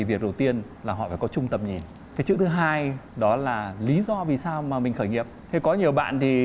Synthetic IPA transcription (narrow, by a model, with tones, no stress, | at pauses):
i˨˩vi˨˩ək̚ɗə˨˩wt̪i˧ənlaː˨˩ɦɔ̰˧˨faː˧˩kɔ˨˦t͡ɕʊ˧ŋ͡mt̪ə˨˩m̚ɲi˨˩n | kaː˨˦jsɨ̰˧˥t̪ɨ˨˦ɦaː˧jɗɔ˨˦laː˨˩li˨˦zɔ˧vi˨˩saː˧wmaː˨˩mï˨˩ŋ̟xəː˧˩jŋi˨˩əp̚t̪ʰe˧kɔ˨˦ɲi˨˩əwɓa̰ː˧˨nt̪ʰi˨˩